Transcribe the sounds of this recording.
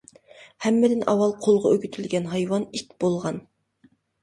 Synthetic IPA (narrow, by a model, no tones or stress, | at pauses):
hɛmːɪd̪ɪnʔɑ̰wɑlˠqʰolˠʁɑøɡʲyt̪ʰylɡʲɛnɦɑjwɑnikʲb̥olˠʁɑn